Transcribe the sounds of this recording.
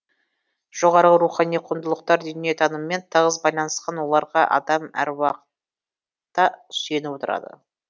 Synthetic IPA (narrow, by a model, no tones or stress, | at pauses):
ʒ̥o̞ʁɑɾʁəɾuχɑnijqʰʊnd̪əlˠəq̚t̪ɑɾd̪ʏnijet̪ʰɑnəməme̞nt̪ʰəʁəzbɑjlˠɑnəsqɑnwo̞lˠɑɾʁɑʔɑ̰d̪ɑmæ̰ɾwɑqə̥t̪ | t̪ːɑ̥se̞nɪpwo̞t̪əɾɑ̰d̪ə̰